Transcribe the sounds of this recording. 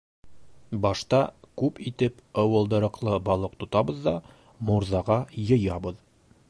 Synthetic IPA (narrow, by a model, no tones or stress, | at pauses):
bɒʃt̪ɑkʉpit̪ɘpɒwɤ̆lˠd̪ɤ̆ɾɤ̆qlˠɤbɒlˠɤq̚t̪ŏt̪ɑbɤ̆ðd̪ɑ | muɾzɑʁɑjɤ̆jɑbɤð